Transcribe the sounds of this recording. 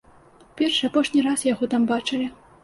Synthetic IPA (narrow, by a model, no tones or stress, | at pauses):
pʲɛrʂɨapɔʂnʲirasjaɣɔt̪ambat͡ʂɨlʲi